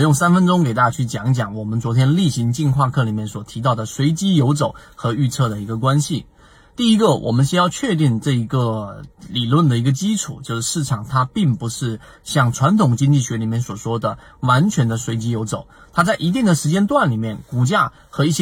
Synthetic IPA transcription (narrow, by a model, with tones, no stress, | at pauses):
jʊ˥˩ŋsa˥nfə˥nʈ͡ʂʊ˥ŋke˨˩ɪt̪a˥˩a˧˥t͡ɕʰy˥˩t͡ɕjɑ˨˩˦ŋ˥˩t͡ɕjɑ˨˩˦ŋwɔ˨˩mə˨˦nt͡swɔ˧˥t̪ʰjɛ˥nli˥˩ɕi˧˥ŋt͡ɕi˥˧nkʰwa˥˧kʰɤ˥˩li˨˩mjɛ˥˩nswɔ˨˩t̪ʰi˧˥t̪̬ɑ˥˩ʊd̪ə˩swe˧˥ɪt͡ɕi˥jo˧˥ʊt͡so˨˩ʊxɤ˧˥y˥˧t͡sʰɤ˥˩d̪ə˩i˧˥ɡə˧kwa˥nɕi˨˩ | t̪i˥˩i˦˥ɡə˨wʔɔ̰˨˩mə˦nɕjɛ˥jɑ˥˧t͡ɕʰɥɛ˥˧t̪i˥˧ŋʈ͡ʂɤ˥˩i˧˥ɡə˧li˨˩lwə˥˩nd̪ə˩i˧˥ɡə˧t͡ɕi˥ʈ͡ʂʰu˨˩t͡ɕjo˥˧ʊʂɻ̩˥˩ʂɻ̩˥˩ʈ͡ʂʰɑ˨˩ŋt̪ʰa˥pi˥˩ŋpu˧˥ʂɻ̩˥˩ | ɕjɑ˥˩ŋʈ͡ʂʰwa˧˥nt̪ʰʊ˨˩ŋt͡ɕi˥ŋt͡ɕi˥˩ɕɥɛ˧˥li˨˩mjɛ˥˩nswɔ˨˩ʂwɔ˥d̪ə˨ | wa˧˥nt͡ɕʰɥɛ˧˥nd̪ə˧swe˧˥ɪt͡ɕi˥jo˧˥ʊt͡so˨˩ʊ | t̪ʰa˥t͡sa˥˩ɪʔi˧˥t̪i˥˩ŋd̪ə˩ʂɻ̩˧˥t͡ɕjɛ˥nt̪wa˥˩nli˨˩mjɛ˥˩nku˨˩t͡ɕja˥ | xɤ˧˥i˥˩ɕ